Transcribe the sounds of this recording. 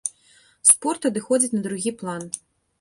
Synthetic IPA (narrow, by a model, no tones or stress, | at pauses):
spɔrt̪ɐd̪ɨxɔd͡zʲit͡sʲnɐd̪ɾuɣʲiplˠan